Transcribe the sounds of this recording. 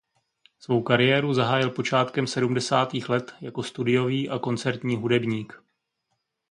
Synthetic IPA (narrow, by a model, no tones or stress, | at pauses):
svo̞wkaɾɪjɛːɾuzaɦaːjɪlpo̞t͡ʃaːt̪kɛmsɛdumdɛsaːt̪iːxlɛt̪jako̞st̪udɪjo̞viːʔako̞nt͡sɛɾt̪ɲiːɦudɛbɲiːk